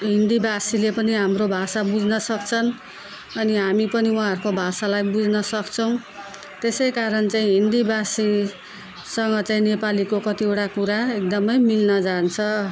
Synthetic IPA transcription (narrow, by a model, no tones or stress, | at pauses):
ɦind̪ibʱasilepʌniɦamrobʱasabud͡znʌsʌkt͡sʰʌn | ʌniɦamipʌniwɦãɦʌɾukobʱasalajbud͡znʌsʌkt͡sʰʌw̃ | t̪esʌjkaɾʌnt͡saĩɦind̪ibʱasi | sʌŋɡʌt͡saĩnepalikokʌt̪ioʈakuɾaek̚d̪ʌmʌjmilnʌd͡zant͡sʰʌ